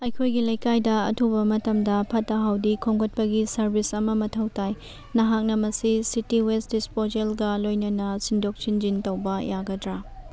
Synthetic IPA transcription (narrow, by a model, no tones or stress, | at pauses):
ɐjkʰojɡilɐjkajdɐɐ̰tʰubɐmɐtɐmdɐpʰɐtːɐɦawdikʰoŋɡɐt̚pɐɡisɐɾbisɐmɐmɐtʰɐwtaj | nɐɦak̚nɐmɐsisitiwesdispozelɡɐlojnɐnɐsindok̚t͡ʃind͡ʒintɐwbɐjaɡɐdɾa